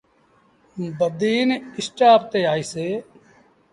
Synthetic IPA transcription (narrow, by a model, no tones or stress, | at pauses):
bəd̪iːnɪsʈaːpt̪eːaːiːseː